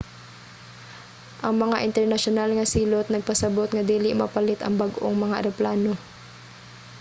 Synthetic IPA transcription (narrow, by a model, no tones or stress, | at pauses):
ʔɐŋmɐŋaʔɪnt̪ɛɹnɐʃonalŋɐsiːlot̪̚nɐɡ̚pɐsɐbot̪ŋɐd̪iːlɪmɐ̰pɐlɪt̪ɐŋbɐɡʔo̰ŋmɐŋaɾɛplaːno